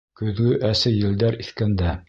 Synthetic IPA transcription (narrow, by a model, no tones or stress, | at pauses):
kɵ̆ðɡɵʔæsɘjɘ̆ld̪æɾiθkænd̪æ